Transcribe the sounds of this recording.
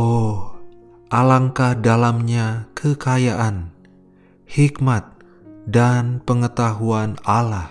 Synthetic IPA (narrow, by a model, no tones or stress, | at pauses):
o | ʔalaŋkahdalamɲakʰəkajaʔan | hikmat̪̚ | danpəŋət̪aɦuanalah